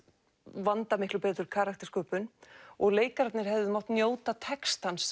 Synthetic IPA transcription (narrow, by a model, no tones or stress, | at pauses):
vant̪amɪhklʏpɛːt̪ʏɾkʰaːɾak̚t̪ɪ̥skœːpʏnɔɣleːjkaɾat̪nɪɾ̥ɦɛvðɪmaw̥ht̪njoːwt̪at̪ʰɛkst̪ans